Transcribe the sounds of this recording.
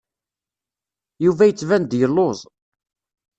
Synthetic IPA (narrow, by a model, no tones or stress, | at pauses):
juvæjət͡sːvænd̪jəlːoðˤ